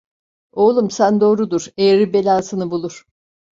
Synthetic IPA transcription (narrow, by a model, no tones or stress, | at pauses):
o̞ːlˠumsænd̪o̞ːɾud̪uɾeɾibe̞lʲaːsɯnɯbulˠuɾ̥